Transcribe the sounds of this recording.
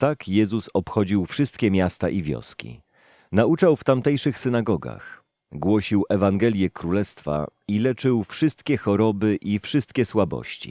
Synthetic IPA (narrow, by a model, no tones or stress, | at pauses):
t̪akjɛzusɔpxɔd͡ʑiwfʂɘst̪kʲɛmʲjast̪aʔivʲjɔ̰skʲḭ | naut͡ʂawft̪amt̪ɛjʂɘxsɘnaɡɔɡa̰x | ɡwɔɕiwʔɛvaŋɡɛlʲjɛkɾulɛst̪fa̰ilɛt͡ʂɘwfʂɘst̪kʲɛxɔɾɔbɘʔifʂɘst̪̚kʲɛswabɔ̰ɕt͡ɕḭ